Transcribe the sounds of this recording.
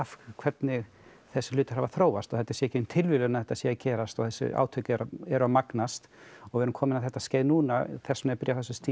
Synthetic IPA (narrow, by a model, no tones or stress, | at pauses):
afkʰvɛt̪nɪɣ | θɛsːɪlʏːt̪ʏ̥ɾ̥havaθɾoːwast̪ɔθɛt̪ːḁsɛːɛcɪʏmt̪ʰɪlvɪlʏnaθɛht̪ːasjɛːacɛːɾast̪ɔθɛsːʏ̰a̰ːwt̪ʰœɥcʏɛɾɛɾʏamaknast̪ɔɣvɪɛɾʏmkʰɔːmɪnaθɛht̪asceːjðnuːnaθɛsmɛpɪɾjawθɛsʏst̪iː